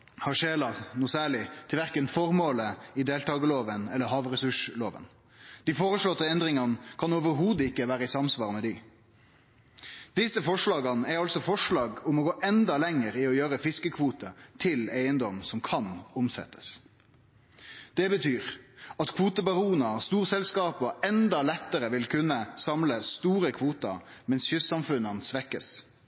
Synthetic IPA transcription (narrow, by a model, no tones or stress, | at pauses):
hɑʂeːlɑnuːsæːɭɪt̪ʰɪlʋæɾkənfɔʁmoːləɪd̪eːlt̪ɑːɡəloːʋənɛlːəɦɑːʋɾɛsʉʂloːʋə̰n | d̪̥ɪfoːʁəʂlɔt̪ːəɛnd̪ɾɪŋɑnəkʰɑnoːʋəɾɦuːd̪əɪkːəʋæːɾəɪsɑmsʋɑːʁmɛd̪ɪ | d̪̥ɪsəfɔʂɭɑːɡɑnæɾɑlsɔfɔʂɭɑːɡʊmɔɡoːʔɛnd̪ɑlɛŋəɾɪɔjøːɾəfɪskəkʰʋuːt̪ət̪ʰɪleɪənd̪ɔmsɔmkʰɑnʊmsɛ̰t̪ːə̥s | d̪̥ɛbət̪ʰyːʁɑt̪kʰʋuːt̪əbɑʁuːənɑst̪uːʁsɛlskɑːpɔɛnd̪ɑlɛt̪ːəɾəʋɪlkʰʉnːəsɑmləst̪uːɾəkʰʋuːt̪ɑ̰ | mɛnsçʉsɑmfʉnənsʋɛkːə̰s